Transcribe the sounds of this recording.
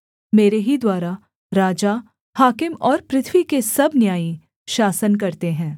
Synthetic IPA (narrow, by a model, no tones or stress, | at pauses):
meːɾeɦid̪waːɾa | ɾaːd͡ʒa | haːkɪmɔːɾpɾɪt̪ʰwikesɐbnjaːi | ʃaːsənk̬ɐɾt̪eɦɛ̃ː